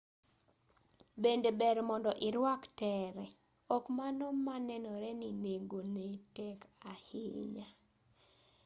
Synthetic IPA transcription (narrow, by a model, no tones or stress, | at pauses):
bendebɛɾmɔndɔʔɪɾwaktɛɾɛ | ɔkmanɔmanɛnɔɾɛnineɡonetɛkahɪ̰ɲa